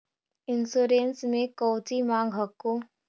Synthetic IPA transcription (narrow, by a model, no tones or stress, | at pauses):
ɪnsuːɾeːnsmẽkɔːt͡ʃimãːŋɡɦəkːoː